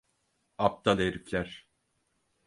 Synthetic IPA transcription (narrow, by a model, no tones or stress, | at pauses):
ap̚t̪aleɾiflʲæɾ̥